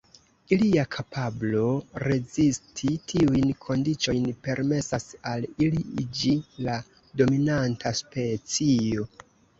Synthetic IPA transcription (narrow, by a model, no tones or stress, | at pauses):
iliakʰapʰablo̞ɾe̞zistʰitʰiujnkʰo̞ndit͡ʃo̞jnpe̞ɾme̞sasaliliid͡ʒila | do̞minantʰaspe̞t͡sio̞